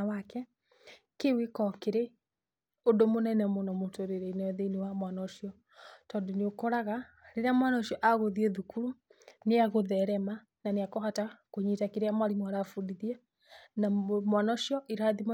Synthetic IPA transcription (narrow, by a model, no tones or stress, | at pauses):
awakɛ | kewekɔkeɾe | odomonɛnɛmonɔmotoɾeɾeinaɛðeinewamwanɔʃiɔ | tɔndoneokɔɾaɣa | ɾeɾeamwanɔʃiɔʔaɣoðiɛðukuɾuneaɣoðɛɾɛma | naneakɔhatakoɲitakeɾeamaɾimwaɾafudiðia | namwanɔʃiɔʔiɾaðim